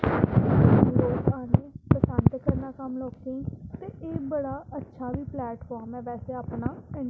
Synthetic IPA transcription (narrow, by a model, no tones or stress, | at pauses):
loːkaːneːpəsənd̪kəɾnaːkəmloːkeĩːt̪eːʔeːbəɽaːətːʃʰaːʋiːplɛːʈɦoːaːmɛ̃ːʋɛːseːaːpnaːɛ̃ɳ